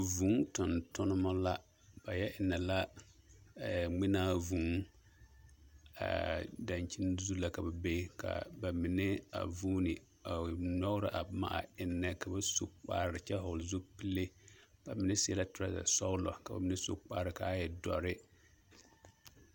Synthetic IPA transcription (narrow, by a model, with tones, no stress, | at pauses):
vuː˨˦tʊ˨ntʊ˦nɨ˦mɔ˦la˦ | b̥a˨jɛ˦ʔɪ˨nːɛ˨la˦˨ | ŋ͡mɪ˦naː˦vuː˨˦ | a̰˨da˨nt͡ʃi˦nzu˦la˦ka˨ba˨be˦ka̰˨ba˨mɪ˨nɛ˦a̰˨vuː˦nɪ˨ | a˨nɔ˦ɣɾɪ˦ʔa˨ma̰˦ʔa˨ɪ˨˦nːɛ˦ka˨ba˦so̰˨k͡pa̰ː˦ɾɾɪ˨t͡ʃɛ˦ɦɔ˨lzo˦pi˦le˦b̥a˨mɪ˨nɛ˦sɛ˦la˦tʊ˨ɾa˦za̰˨sɔ˦lɔ̰˨ka˨ba̰˨mɪ˨nɛ˦so̰˦k͡pa˦ɾɪ˨ka˦jɛ˨dɔ̰˨ɾɪ˦